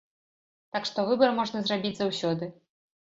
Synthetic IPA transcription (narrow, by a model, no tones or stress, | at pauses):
t̪akʂt̪ɔvɨbɐɾmɔʐnɐzrabʲid͡zʲzawsʲɔd̪ɨ